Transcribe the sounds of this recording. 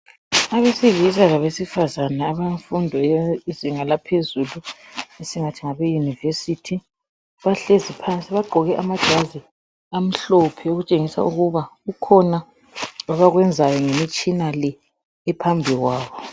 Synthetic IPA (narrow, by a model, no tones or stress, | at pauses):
aβesivizaɣaβesifazanaːβaɱfundʱɔjeiziŋalapʰezuluesiŋatʰiŋaβejunivesitʰi | βaɬezipʰansʼiβaɡ͡ǃʱɔɣɛʔamad̥ʒ̥ʱazi | am̩ɬɔpʰɛoɣut͡ʃʼeŋisa̰uɣuβaukʰɔna | aβaɣwɛnd͡zʱajɔŋemit͡ʃʼinalɛː | pʰambʱiɣwaːβɔ